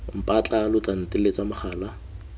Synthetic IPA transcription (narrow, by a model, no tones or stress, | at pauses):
m̩pʼat͡ɬʼalʊt͡ɬʼan̩tʼɪlet͡sʼamʊχʰaːla